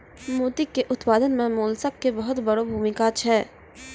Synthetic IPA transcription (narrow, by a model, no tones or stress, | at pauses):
muːt̪ɪkːeʔʊt̪paːd̪ənmẽmoːlsəkːebɐɦʊt̪bɐɽobʱuːmɪkat͡ʃʰɛː